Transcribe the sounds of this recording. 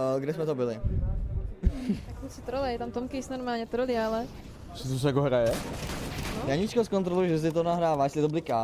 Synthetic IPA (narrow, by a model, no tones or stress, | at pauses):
ɡdɛsmɛt̪obɪlɪ | t̪akhusɪt̪ɾolɛjɛt̪amt̪omkɪsnoɾmaːlɲɛt̪ɾolɪalɛ | sɛt̪us̬ɛjakoɦɾajɛ | jaːɲit͡ʃkoskont̪ɾolujuʒɛs̬ɪt̪onaɦɾaːvajɛst̪lɪt̪obɪlɪka